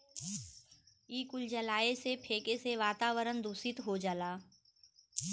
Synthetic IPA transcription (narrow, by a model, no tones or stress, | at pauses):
iːkʊld͡ʒəlaːesepʰeːkeseʋaːt̪aːʋəɾənd̪uːsɪt̪ɦod͡ʒaːlaː